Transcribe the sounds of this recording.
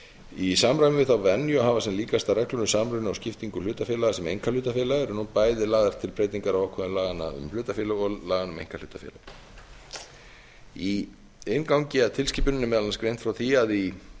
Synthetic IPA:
isaːmɾajmɪvɪθawvɛnjʏɔɦaːvasɛnliːkast̪arɛklʏnʏsaːmɾœnʏawscɪft̪iŋkʏlʏːt̪afɪːlaɣasɛmejŋkalʏːt̪afɛːlaɣɾnuːnpaːjðɪlaːɣðaɾ̥t̪ʰɪlpɾeːjt̪iŋkaɾawawkʰɛðʏmlaːɣana̰ʏ̰mlʏːt̪afɪːlaɣɔlaːɣanʏmḛjŋkal̥ʏːt̪afɛ̰ːla̰̥ | i | ɪnkawŋcɪaðt̪ʰɪlsciːpʏnɪnːʏmɛːðalanskɾejnt̪fɾawθiaði

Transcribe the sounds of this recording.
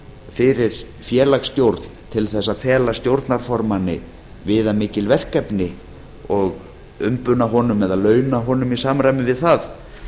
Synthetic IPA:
fɪɾɪɾ̥ | fjɛːlakst̪jowɾt̪n̥t̪ʰɪlθɛsːaðfɛːlast̪jowɾt̪naɾ̥fɔɾmanːɪ̰ | vɪðamɪːcɪlvɛr̥kɛpnɪ | ɔɣ | ʏmpʏnaɦɔːnʏmɛðalœːɥnaɦɔːnʏmisaːmɾajmɪvɪðθað

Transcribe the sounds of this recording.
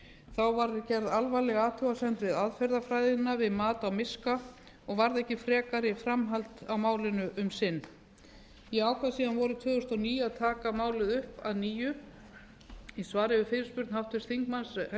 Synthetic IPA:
θawvaɾcɛɾðalvajlɛɣaːt̪ʰuwasɛnt̪vɪðaðfɛɾðafɾajðɪnːavɪðmaːt̪awmɪska | ɔɣvaɾðɛhcɪfɾɛːkaɾɪfɾamɦal̥t̪awmaːwlɪnʏʔʏmsɪnː | iaːwkʰvasiːðanvɔɾʏt̪ʰvœːðʏst̪ɔniːjaðt̪ʰaːkamaːwlɪðʏhpa̰ðniːjʏ | isvaːɾɪvɪfɪːɾɪɾ̥spʏɾt̪nhawht̪vɪst̪θiŋkmansh

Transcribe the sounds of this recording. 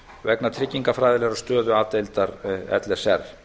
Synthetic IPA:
vɛknat̪ʰɾɪcːiŋkafɾaːjðɪlɛːɣɾɔ̥st̪œːðʏaːt̪ejlt̪aɾɛ̰t̪lɛ̥sɛɾð

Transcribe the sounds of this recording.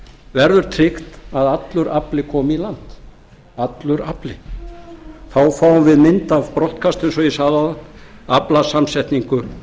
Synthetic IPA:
vɛɾðʏɾ̥t̪ʰɾɪkt̪aðat̪lʏɾaplɪkʰɔːmilant̪ | at̪lʏɾaplɪ | θawfaːwvɪðmɪnt̪avpɾɔwht̪kʰast̪ʏnsɔjisaːðaðaaplasamsɛht̪niŋkʏ

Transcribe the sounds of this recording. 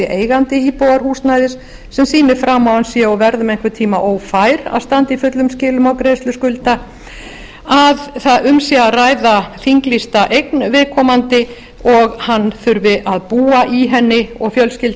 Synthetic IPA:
ɪʔeːjɣant̪ɪiːpoːwðaɾ̥huːsnajðɪsː | ɛmsiːnɪfɾamːawhansjɛɔvɛɾðʏmejŋ̥kʰvɪɾt̪ʰiːmaʔoːwfajɾa̰ðst̪ant̪ɪifʏt̪lʏmscɪːlʏmawkɾejst̪lʏskʏlt̪a | aðθaðʏmsiaaraːjðaθiŋklist̪aʔejknvɪðkʰɔːmant̪ɪ | ɔɣhanːθʏɾvɪʔaðpuːaʔiɦɛnːɪɔɣfjœlscɪl

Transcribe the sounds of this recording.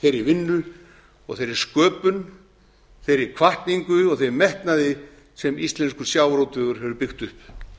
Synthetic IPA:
θejɾɪɾvɪnːʏ | ɔɣθejɾɪɾ̥skœːpʏn | θejɾɪɾkʰvaht̪niŋkʏɔɣθejɾmɛhk̪naðɪ | sɛmist̪lɛnskʏ̥sjaːwɾowt̪ʏɣʏɾ̥ɦɛvʏɾpɪxt̪ʏhp

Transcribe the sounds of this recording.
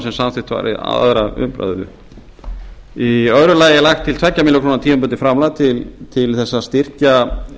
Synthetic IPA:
sɛmsamθɪht̪va̰ɾʔɪ̰a̰ðɾaʏ̰mpɾa̰ððʏ̰ | iœðɾʏlaːjɛlaxt̪ʰːɪlt̪ʰvɛcːamiːlːʏkʰɾoːnat̪iːmʏmpʏnt̪ɪfɾamlat̪ʰɪlt̪ʰɪlθɛsːast̪ir̥ca

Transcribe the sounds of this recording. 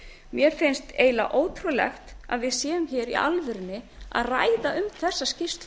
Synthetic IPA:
mjɛɾ̥fɪnst̪eːjla̰ʔoːwt̪ʰɾulɛ̰xt̪a̰ðvɪðsjɛːðʏmçɛːɾḭʔa̰lvɪɾɪnːɪ | a̰ðraːjðaʏmθɛsːascɪst̪

